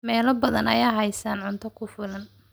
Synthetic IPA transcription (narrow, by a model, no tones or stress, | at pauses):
mɛːlɐbɐðɐnɐ̰jaːɦɛjsaːnʕʊnt̪ʰɔkʰʊfʊlɐn